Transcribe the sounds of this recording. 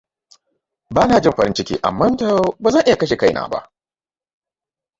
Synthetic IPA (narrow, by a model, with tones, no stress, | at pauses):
baː˦naː˨d͡ʒɪ˦˨ɸɐ˨ɾɪ˦nt͡ʃɪ˦kʲḭː˦ʔa̰˨mːɐ˦nta˨˦ba˨zɐ˦˨ʔɪ˦ja˨kɐ˦ʃ̬e˨ka˦jna̰ː˨ba̰˦ʔ